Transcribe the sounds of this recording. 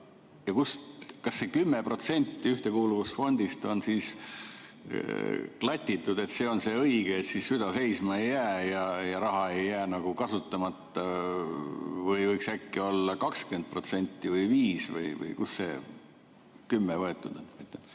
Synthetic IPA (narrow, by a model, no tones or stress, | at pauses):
jɑkuskɑsːe̞kymːepro̞t̪se̞nʲt̪ːiyht̪e̞kuːluvusfo̞nʲd̪̥ist̪o̞nsiːs | klɑt̪ʲˑːit̪ːˑud̪e̞t̪se̞ːo̞nse̞ɤiɡ̥eːt̪sissyd̪̥ɑse̞jsmɑe̞jːæːjɑjɑɾɑɦɑe̞jːæːnɑɡ̥ukɑsut̪ːˑɑmɑt̪ːˑɑ | vɤjvɤjksækːio̞lːɑkɑkskend̪̚pro̞t̪se̞nʲt̪ːˑivɤjviːsvɤ̰jvɤ̰jkusːe̞̰ | kymːevɤe̞t̪ːˑud̪̥et̪mɑjt̪ːˑe